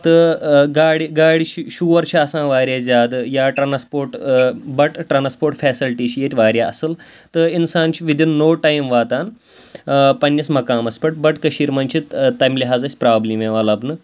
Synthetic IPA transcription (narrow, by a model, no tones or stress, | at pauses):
t̪ɨɡaːɽiɡaːɽiʃuːʋɐɾt͡ʃʰiɐsãːʋaːɾʲjaːd͡zʲaːd̪jaːʈɾaːnspoːɾʈbɐʈʈɾaːnspoːɾʈfɛːsilʈiːt͡ʃʰijet̪ʲʋaːɾʲjaɐsɨl | t̪ɨinsaːnt͡ʃʰiʋid̪inːoːʈajmʋaːt̪aːn | pɐnjɐsmɐkaːmɐspɐʈbɐʈkɐʃiːɾmɐnt͡ʃʰit̪ajmliɦaːzɐsʲpɾaːblimeʋaːlaːpnɨ